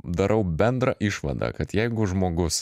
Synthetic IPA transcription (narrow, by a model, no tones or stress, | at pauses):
d̪ɐɾʔɐʊbʲɛnd̪ɾɐʔɪʃʋɐ̰d̪ɐ̰kɐt̪jɛɪɡʊʒmoːɡʊs